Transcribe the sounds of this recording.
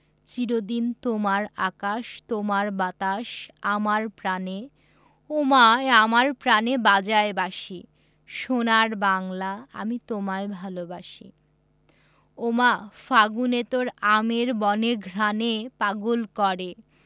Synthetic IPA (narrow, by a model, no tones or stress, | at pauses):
t͡ɕiɾod̪int̪omaɾakaʃt̪omaɾbat̪aʃamaɾpɾane | omaeamaɾpɾanebad͡ʑaebaʃi | ʃonaɾbaŋlaa̰mit̪omaebʱalobaʃḭ | omafaɡunet̪oɾameɾbɔneɡʱɾanepaɡolkɔɾe